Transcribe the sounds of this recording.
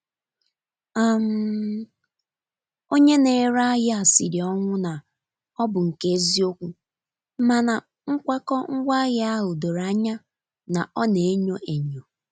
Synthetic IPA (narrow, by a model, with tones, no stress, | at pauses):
a˨m̩˦ | o˦ɲe˦ne˨ɾa˦ɣa˨si˨ɾi˨ɔ˦ŋʷʊ˦na˨ | ɔ˦bʊ˨ŋ̩˨ke˦zi˦o˦kʷu˦ | ma˨na˨ | ŋ̩˦kʷa˦kɔ˦ŋ̩˦ɡʷa˦ɣa˦a˦ɦʊ˨do˨ɾa˦ɲa˦ | na˨ʔɔ˦ne˨e˦ɲo˦ʔe˨ɲo˨